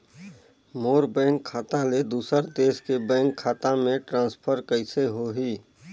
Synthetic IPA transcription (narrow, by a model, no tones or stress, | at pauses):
moːɾbɛ̃ːŋkʰːaːt̪ãled̪uːsəɾd̪eːskebɛ̃ːŋkʰːaːt̪ãmẽʈɾãːspʰəɾkəɪseɦoɦiː